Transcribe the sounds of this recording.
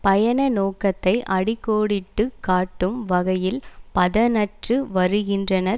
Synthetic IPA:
pɐjɐnɐnoːkɐt̪ːɐɪʔɐɽɪkːoːɽɪʈːɯkːaːʈːɯmʋɐɣɐjɪlpɐðɐnɐʈrɯʋɐɾɯɣɪndrɐnɐɾ

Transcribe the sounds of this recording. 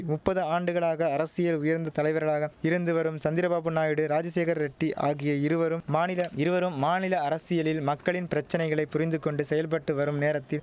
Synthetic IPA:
mʊpːɐðɯaːɳɖɯɣɐɭaːɣɐːɾɐsɪjɐlʊjɐɾnd̪ɐt̪ɐlɐɪʋɐɾɣɐɭaːɣɐɪɾɯnd̪ɯʋɐɾɯmsɐnd̪ɪɾɐbaːpɯnːaːjɪɽɯɾaːd͡ʒɐseːɣɐɾɾɛʈːiʔa̰ːɣɪjɐɪɾɯʋɐɾɯmaːnɪlɐɪɾɯʋɐɾɯmːaːnɪlɐːɾɐsɪjɐlɪlmɐkːɐɭɪnpɪɾɐt͡ʃːɐnɐɪɣɐɭɐɪpːʊɾɪnd̪ɯkːɔɳɖɯsɛjɐlpɐʈːɯʋɐɾɯmneːɾɐt̪ːɪl

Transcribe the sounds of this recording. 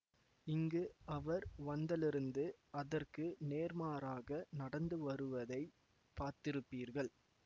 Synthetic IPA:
ɪŋɡɯɐʋɐɾʋɐnd̪ɐlɪɾɯnd̪ɯɐðɐrkɯneːɾmaːɾaːɣɐnɐɽɐnd̪ɯʋɐɾɯʋɐðɐɪ | paːɾt̪ɪɾɯpːiːɾɣɐɭ

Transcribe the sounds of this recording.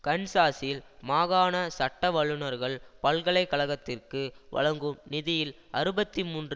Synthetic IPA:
kɐnsaːsɪlmaːɣaːnɐsɐʈːɐʋɐɭɯnɐɾɣɐɭpɐɭkɐɭɐɪkːɐɭɐɣɐt̪ːɪrkɯʋɐ̰ɻɐŋɡɯmnɪðɪjɪl | ɐɾɯbɐt̪ːimuːndr

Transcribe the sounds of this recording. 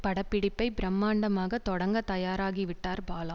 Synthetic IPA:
pɐɽɐpːɪɽɪpːɐɪbɪɾɐmːaːɳɖɐmaːɣɐt̪ɔɽɐŋɡɐt̪ɐjaːɾaːɣiʋɪʈːaːɾbaːlɐ̃

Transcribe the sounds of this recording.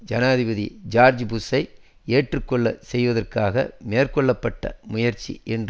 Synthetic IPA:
d͡ʒɐnaːðɪbɐðḭd͡ʒaːɾd͡ʒbʊsɐɪ | eːʈrɯkːɔɭːɐ̰sɛjʋɐðɐrkaːɣɐ̰meːrkɔɭːɐpːɐʈːɐ̰mʊjɐɾt͡ʃːḭʔɛnd

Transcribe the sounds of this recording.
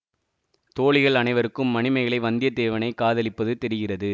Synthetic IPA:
t̪oːɭɪɣɐɭɐnɐɪʋɐɾɯkːɯmːɐɳɪmɐɪɣɐɭɐɪʋɐnd̪ɪjɐt̪eːʋɐnɐɪkːaːðɐlɪpːɐðɯt̪ɛɾɪɣɪrɐðɯ

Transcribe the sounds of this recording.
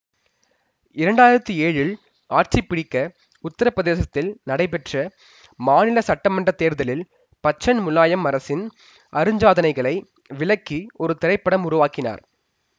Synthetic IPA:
ɪɾɐɳɖaːjɪɾɐt̪ːieːɻɪl | aːʈt͡ʃɪpːɪɽɪkːɐ | ʊt̪ːɐɾɐpɾɐðeːsɐt̪ːɪlnɐɽɐɪpɛʈrɐ | maːnɪlɐsɐʈːɐmɐndrɐt̪ːeːɾðɐlɪl | pɐt͡ʃːɐnmʊlːaːjɐmɐɾɐsɪn | ʔɐɾɯɲd͡ʒaːðɐnɐɪɣɐɭɐɪ | ʋɪlɐkːiɔɾɯt̪ɪɾɐɪpːɐɽɐmʊɾʊʋaːkɪna̰ːɾ

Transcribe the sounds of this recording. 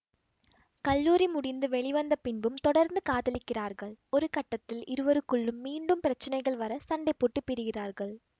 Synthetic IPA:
kɐlːuːɾimʊɽɪnd̪ɯʋɛɭɪʋɐnd̪ɐpɪnbɯmt̪ɔɽɐɾnd̪ɯkaːðɐlɪkːɪraːɾɣɐɭɔɾɯkɐʈːɐt̪ːɪlɪɾɯʋɐɾɯkːɯɭːɯmːiːɳɖɯmpɪɾɐt͡ʃːɐnɐɪɣɐɭʋɐɾɐsɐɳɖɐɪpːoːʈːɯpːɪɾɯɣɪraːɾɣɐɭ

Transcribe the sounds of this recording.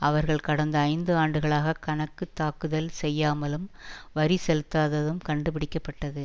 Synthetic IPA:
ɐʋɐɾɣɐɭkɐɽɐnd̪ɐɐɪnd̪ɯaːɳɖɯɣɐɭaːɣɐkɐɳɐkːɯt̪ːaːkɯðɐlsɛjːaːmɐlɯmʋɐɾisɛlɯt̪ːaːðɐðɯmkɐɳɖɯp̬ɪɽɪkːɐpːɐʈːɐðɯ

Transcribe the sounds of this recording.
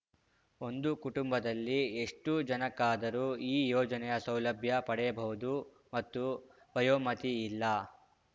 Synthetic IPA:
o̞nd̪ukuʈumbɐd̪ɐlːie̞ʂʈud͡ʒɐnɐkːaːd̪ɐɾuːiːjɔːd͡ʒɐnɛjɐsɐwlɐbʱjɐpɐɽɛjɐbɐɦud̪u | mɐt̪ːu | bɐjoːmɐt̪iːlːɐ

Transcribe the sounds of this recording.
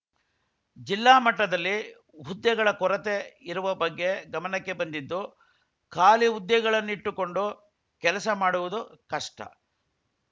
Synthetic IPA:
d͡ʒilːaːmɐʈːɐd̪ɐlːi | ɦud̪jɐɡɐɭɐkɔɾɐt̪e̞iɾuʋɐbɐɡːe̞ɡɐmɐnɐkːe̞bɐnd̪id̪ːu | kaːliud̪jɛɡɐɭɐnːuiʈːuko̞ɳɖu | kɛlɐsɐmaːɽuʋud̪ukɐʂʈɐ̰

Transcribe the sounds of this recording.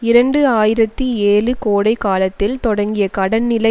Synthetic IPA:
ɪɾɐɳɖɯaːjɪɾɐt̪ːieːlɯkoːɽɐɪkaːlɐt̪ːɪlt̪ɔɽɐŋɡɪjɐkɐɽɐnnɪlɐ

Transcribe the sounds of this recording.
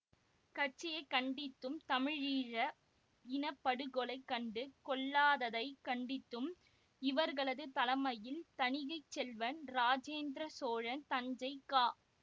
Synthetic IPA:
kɐʈ̚t͡ʃɪjɐɪkɐɳɖɪt̪ːɯmt̪ɐmɪɻiːɻɐ | ɪnɐpːɐɽɯɣɔɭɐɪkːɐɳɖɯkɔɭːaːðɐðɐɪkɐɳɖɪt̪ːɯm | ɪʋɐɾɣɐɭɐðɯt̪ɐlɐmɐjɪlt̪ɐnɪɣɐɪt͡ʃːɛlʋɐnɾaːd͡ʒeːnd̪ɾɐsoːɻɐnt̪ɐɲd͡ʒɐɪkːaː

